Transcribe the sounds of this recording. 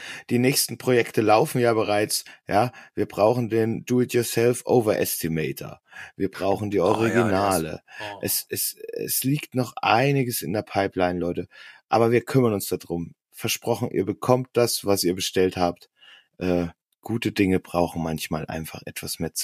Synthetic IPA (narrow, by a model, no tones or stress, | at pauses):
d̥iːnɛːçstn̩pʁ̥ojɛktəlaʊfn̩jaːbəʁ̞aɪt͡sjaːviːɐbʁaʊxn̩deːnduːɪtjʊːɐsɛlfʔoʊvɐɐʔɛstimɛɪtʰɐ̰viːɐbʁaʊxn̩diːɔʁiɡinaːlə̰ʔɛsɛsɛ̰sliːktnɔχʔa̰ɪnɪɡəsɪ̰ndeːɐpʰaɪplaɪnlɔʏtəʔaːbɐviːɐkʰʏmɐnʊnsd̥adʁʊm | fɛɐʃpʁ̥ɔxn̩ʔḭːɐbəkʰɔmt̚d̥asvasiːɐbəʃtɛlthaːpt | ʔɛː | ɡ̥uːtədɪŋəbʁaʊxn̩mançmaːlʔa̰ɪnfaχʔɛtv̥asmeːɐt͡s